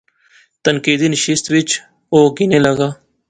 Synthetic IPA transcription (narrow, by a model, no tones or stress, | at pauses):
t̪ənkiːd̪iːnəʃɪst̪ʋɪt͡ʃ | oːɡɪneːləɡaː